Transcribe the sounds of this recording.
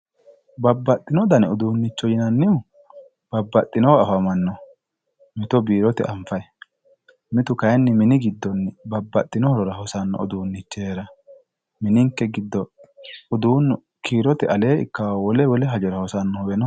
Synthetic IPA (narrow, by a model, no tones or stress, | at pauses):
bɐbːɐt̪ʼːɪnɔd̪ɐnɔd̪uːnːɪt͡ʃːɔjɪnɐnːɪʊ | b̥ɐbːɐt̪ʼːɪnɔwɐfɐmɐnːɔ | mɪt̪ɔbiːɾɔt̪ɛʔɐɱfɐj | mɪt̪ʊkɐjɛnːɪmɪnɪɡɪd̪ːɔnːɪbɐbːɐt̪ʼːɪnɔhɔɾɔɾɐhɔsɐnːɔ̰ɔ̰d̪uːnːɪt͡ʃːeːɾɐ | mɪnɪŋkːɛɡɪd̪ːɔʊd̪uːnːʊ | kʰiːɾɔt̪ɛʔɐleːɪ̰kːawwɔlɛwɔlɛɦɐd͡ʒɔɾɐhɔsɐnːɔwɛnɔ